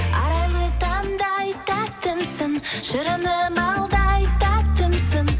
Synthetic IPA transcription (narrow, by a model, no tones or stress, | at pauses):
ɑɾɑjlˠət̪ɑnd̪ɑjt̪ɑt̪əmsənʒ̥əɾənəmɑlˠd̪ɑjt̪ɑt̪əmsən